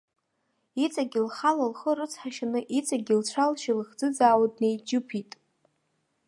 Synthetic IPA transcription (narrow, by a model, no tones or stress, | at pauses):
it͡sʼaɡʲɪlχalalχərɨt͡sʰħaʃanɨʔit͡sʼaɡʲilt͡ɕʷʰalʃilɨχd͡zɨd͡zaːwad̚nejd͡ʒɨpʰitʼ